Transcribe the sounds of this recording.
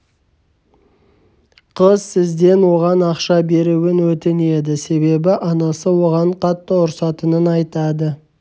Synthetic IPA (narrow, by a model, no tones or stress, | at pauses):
qʰəzsɪzd̪e̞nwo̞ʁɑnɑqʃɑbe̞ɾuwɪnwɵt̪ɪne̞d̪ɪse̞βe̞bɪʔɑnɑsəwo̞ʁɑɴqʰɑt̪ːəʊɾsɑt̪ənənɑjt̪ɑd̪ə